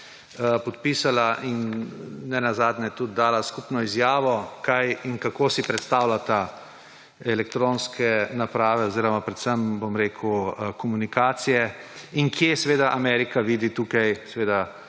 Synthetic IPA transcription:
pɔt̪piːsalaʔinː | ɛnazaːd̪nɛɛt̪ud̪̚d̪ːaːlaskupnɔizjaːʋɔkajiŋkakoːsipɾɛt̪st̪aːwlat̪a | ɛlɛkt̪ɾonskɛnapɾaːʋɛoziːɾɔmapɾɛt̪səmbomɾeːkʰuəkɔmunikaːt̪sijɛiŋkjesɛʋeːd̪aʔamɛɾikaʋiːd̪it̪uːkajsɛʋeːd̪a

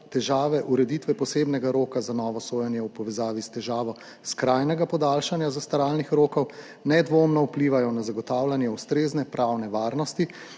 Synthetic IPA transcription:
t̪ɛʒaːʋɛʔuɾɛd̪iːt̪ʋɛpɔsebnɛɡaɾoːkazanɔːʋɔsoːjɛnjɛwpɔʋɛzaːʋist̪ɛʒaːʋɔ | skɾaːjnɛɡapɔd̪aːlʃanjazast̪aɾaːlnixɾoːkɔw | nɛd̪ʋoːmnɔupliʋajɔnazaɡɔt̪aːwlanjɛust̪ɾeːznɛpɾʔawnɛʋaːɾnɔst̪i

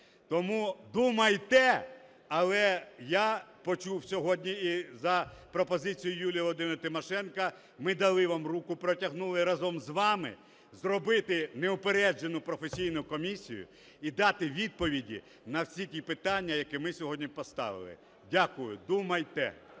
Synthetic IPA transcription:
t̪ɔmud̪umɐjt̪ɛ | ɐlˠɛjapɔt͡ʃuwsʲɔɦɔdʲnʲiizɐpɾɔpɔzɪt͡sʲijʊjulʲijɐlˠɔd̪ɪmɪɾt̪ɪmɔʃɛnkɐ | mɪd̪ɐlˠɪʋamrukʊpɾɔtʲɐɦnulˠɪɾɐzɔmzʋɑmɪ̰ | zrɔbɪt̪ɪneʊpeɾɛd͡ʒenʊpɾɔfesʲijnʊkɔmʲisʲḭjʊ̰ | id̪ɑt̪ɪʋʲid̪̚pɔʋʲidʲḭ | nɐwsʲitʲipɪt̪ɑnʲːɐjɐkɛmɪsʲɔɦɔdʲnʲipɔst̪ɑ̰ʋɪ̰lˠɪ̰ | dʲakʊjʊd̪umɐjt̪ɛ̰

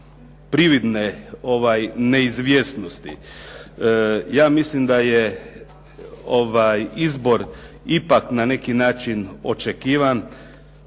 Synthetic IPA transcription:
pɾiʋid̪neo̞ʋajneizʋjeːst̪no̞st̪ḭ | jaːmislimd̪aje | oʋajizbo̞ɾ | ipaknane̞kinaːt͡ʃino̞̰t͡ʃekiːʋan

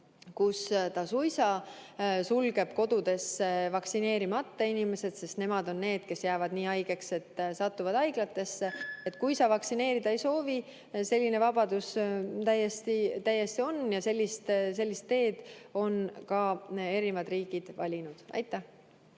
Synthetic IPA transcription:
kust̪ɑsujsɑ | sulɡ̥e̞b̥ko̞d̪ud̪e̞sːevɑksine̞ːɾimɑt̪ːɑinime̞se̞d̪̥se̞st̪ne̞mɑd̪o̞nːe̞ːd̪̥̚ke̞sjæːvɑd̪niːɑjɡ̥e̞kse̞t̪ːsɑt̪ːuvɑd̪ɑjɡ̥lɑt̪ːe̞sːeet̪ːˑkujsɑvɑksine̞ːɾid̪̥ɑejso̞ːvi | se̞lʲːinevɑb̥ɑd̪̥ust̪æjːe̞st̪it̪æjːe̞st̪io̞njɑse̞lʲːist̪se̞lʲːist̪ːe̞ːd̪̥o̞nkɑe̞ɾimɑd̪riːɡ̥id̪̥vɑ̰lʲinud̪̥ɑ̰jt̪ːˑæh

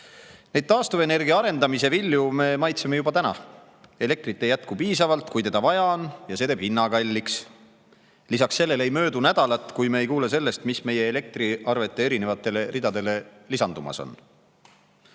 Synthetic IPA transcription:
nejd̪̚t̪ɑːst̪uve̞ne̞rɡiɑɑɾe̞nd̪ɑmise̞vilʲːjume̞mɑjt̪seme̞jubɑt̪ænɑ̰ | e̞le̞k̚t̪ɾit̪ːe̞jæt̪̚kupiːsɑvɑlt̪ˑkujt̪e̞d̪̥ɑvɑjɑonjɑse̞t̪eːb̥hinːɑɡɑlʲːiks | lisɑksːe̞lːe̞lejmø̞ːd̪unæd̪̥ɑlɑt̪ːˑkujmeejkuːle̞s̬e̞lːe̞st̪misme̞je̞ːle̞k̚t̪riɑrve̞t̪ːˑe̞eɾine̞vɑt̪ːˑe̞le̞rid̪̥ɑd̪e̞le̞lisɑnd̪umɑ̰so̞̰n

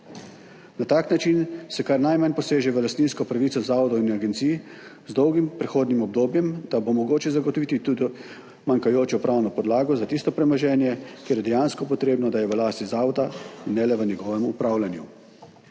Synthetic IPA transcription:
nat̪aːknat͡ʃinsɛkaɾnajmanpɔseːʒɛʋəlast̪niːnskɔpɾaʋit̪sɔzaːʋɔd̪ɔinaɡɛnt̪siːjzd̪ɔwɡimpɾɛxoːd̪nimɔb̚d̪oːbjɛmd̪̥abomɔɡoːt͡ʃɛzaɡɔt̪ɔʋit̪it̪ud̪i | maŋkajoːt͡ʃɔpɾʔawnɔpɔd̪laːɡɔzat̪ist̪ɔpɾɛmɔʒɛːnjɛkjeːɾjɛd̪ɛjanskɔpɔt̪ɾeːbnɔd̪ajɛʋəlaːst̪izaːʋɔd̪ainːɛlɛʋənɛɡɔːʋɛmupɾaːwlʲanju

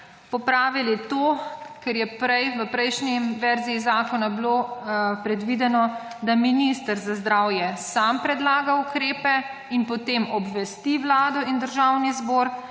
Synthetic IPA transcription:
pɔpɾaːʋilit̪oːkɛɾjɛpɾɛjʋəpɾɛjʃniʋɛɾziːzaːkɔnablopɾɛd̪ʋid̪ɛnɔ | d̪aminist̪əɾzazd̪ɾawjɛsampɾɛd̪laːɡaukɾeːpɛ | inpɔt̪emɔbʋɛst̪iʋlaːd̪ɔʔind̪əɾʒawnizbɔːɾ

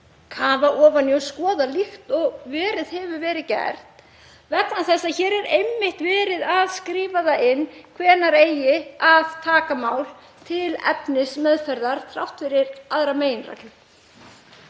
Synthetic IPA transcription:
kʰaːvaʔɔːvanjœskɔːðalixt̪ɔɣvɛːɾɪð̥hɛvʏvɛːɾɪðcɛ̰ɾ̥t̪ | vɛt̪nawθɛsːaçɛːɾɛɾejmːɪht̪vɛːɾɪðaðskɾɪːvaðaɪnːkʰvɛːnaɾeːjɪaðt̪ʰaːkamaːwl | t̪ʰɪlɛ̰pnɪsmœðfɛɾðaɾ̥t̪ʰɾawht̪fɪɾɪɾaðɾameːjɪnra̰klʏ

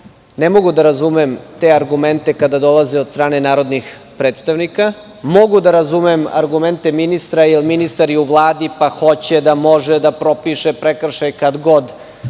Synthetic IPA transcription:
nemo̞ɡud̪aɾazumemt̪e̞aɾɡume̞nt̪ekad̪ad̪o̞lˠazeod̪st̪ɾaːne̞naːɾo̞d̪nix | pɾeːt̪st̪aʋnika | mo̞ɡud̪aɾazumema̰ɾɡume̞nt̪e̞minist̪ɾailiminist̪aɾiuʋlˠaːd̪ipaxo̞t͡ɕed̪amo̞ʒed̪apɾo̞piʃepɾekr̩ʃajkad̪ɡo̞d̪

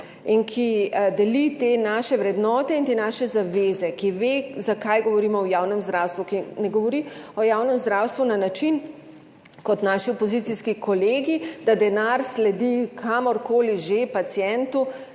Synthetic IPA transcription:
inkʰid̪ɛlit̪eːnaʃɛʋɾɛd̪nɔːt̪ɛint̪eːnaʃɛzaʋeːzɛkiʋezakajɡɔʋɔɾiːmɔwjaːwnɛmzd̪ɾawst̪ʋukinɛɡɔʋɔɾiɔjaːwnɛmzd̪ɾawst̪ʋunanat͡ʃin | kɔt̪naːʃiɔpɔzit̪siskikʰɔleːɡid̪ad̪ɛnaɾslɛd̪ikʰamɔɾkoːliʒepat̪sjɛnt̪u

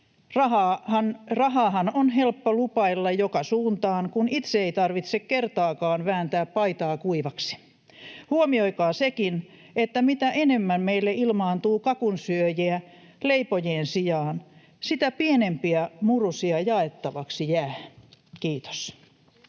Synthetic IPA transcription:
rɑhɑhɑnrɑɦɑːhɑnonhelpːolupɑilːɑjjokɑsuːnt̪ɑːŋkunit̪seeit̪ɑrʋit̪sekkert̪ɑːkɑːnʋæːnt̪æːppɑit̪ɑːkuiʋɑksi̥ | huomioikɑːsekin | et̪ːæmit̪æʔenemːænmeilːeilmɑːnt̪uːkɑkunsyøjeæ | leipojeːnsijɑːn | sit̪æpienempiæmurusiɑjɑet̪ːɑʋɑksijæːkiːt̪o̥s

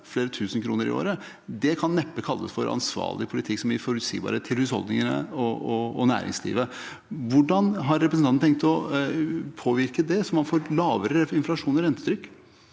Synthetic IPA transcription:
fleːɾət̪ʰʉːsənkʰɾuːnəɾɪ̰o̰ːɾə | d̪ɛkʰɑnːɛpːəkʰɑlːə̰sfɔɾɑ̰nsʋɑ̰ːɭɪpʰʊlɪt̪ʰɪksɔmɪfɔɾʉt̪sḭːbɑ̰ːɾət̪ʰɪlhʉshɔ̰ld̪nɪŋənə̰ɔɔɔnæ̰ːɾɪ̰ŋslḭːʋə | ʋʊɖɑnɦɑɾːɛpɾəsnɑt̪n̩ʰɛŋk̚t̪ɔ | pʰoːʋɪɾkəd̪ɛsɔmːɑnfoːɾlɑːʋəɾəɪnflɑʂuːnɔɾɛnt̪ːəd̪ɾʏkː

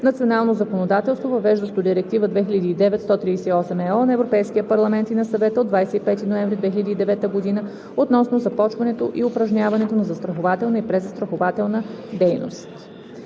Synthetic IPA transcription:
nɐt̪sionalˠnozɐkonod̪at̪ɛlˠst̪vovɐvɛʒd̪əft̪od̪iɾɛk̚t̪ivəd̪vɛxiʎʲəd̪iːd̪ɛvɛt̪st̪ɔt̪ɾiːsɛiɔsɛmɛɔnɐɛvɾopɛjskiəpɐɾlˠɐmɛnt̪inɐsɐvɛt̪əod̪vajsɛipɛt̪inoɛɱvɾid̪vɛxilʲəd̪iːd̪ɛvɛt̪əɡod̪inə | ot̪nɔsnozɐpɔt͡ʃvɐnɛt̪oʔiʊpɾɐʒnʲavɐnɛt̪onɐzɐst̪ɾɐxovat̪ɛlˠnɐipɾɛzɐst̪ɾɐxovat̪ɛlˠnəd̪ɛjno̰st̪

